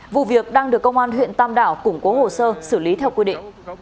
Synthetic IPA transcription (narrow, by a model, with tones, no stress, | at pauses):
vṵ˧˨vi˨˩ək̚ɗaː˧ŋɗɨ˨˩əkːə˧wŋ͡mʔaː˧nɦwḭ˧˨ənt̪aː˧mɗaː˧˩wkʊ˧˩ŋ͡mko˨˦ho˨˩səː˧sɨ˧˩li˨˦t̪ʰɛ˧wkwi˧ɗḭ˧˨ŋ̟